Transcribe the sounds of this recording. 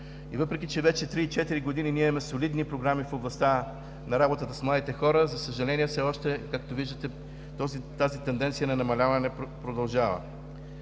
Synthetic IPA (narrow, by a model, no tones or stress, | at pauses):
ivɤpɾɛk̟ʲit͡ʃɛvɛt͡ʃɛt̪ɾiːt͡ʃɛt̪iɾiɡod̪ininimɛsolid̪nipɾoɡɾamifoblˠɐst̪a | nɐɾabot̪ət̪əsmlˠad̪it̪ɛxɔɾəzɐsəʒɐlɛniɛfsɛɔʃt̪ɛkakt̪oviʒd̪ət̪ɛ | t̪ɔzit̪azit̪ɛnd̪ɛnt̪sijənɐnɐmɐlʲavɐnɛpɾod̪ɐlˠʒavə̰